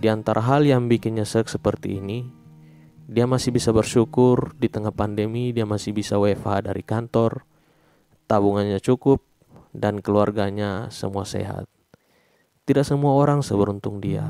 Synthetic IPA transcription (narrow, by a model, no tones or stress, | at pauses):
diant̪aɾʔaɦaljaŋbikɪnɲasək̚səpərt̪ḭːni | diamasɪhbisabərʃukʊrdit̪əŋahpandəmidiamasɪhbisawefadaɾikant̪ɔr | t̪abuŋanɲat͡ʃukʊp̚ | dankəluarɡaɲasə̰muasḛɦa̰t̪̚ː | idak̚səmuaoɾaŋsəbəɾunt̪ʊŋdia̰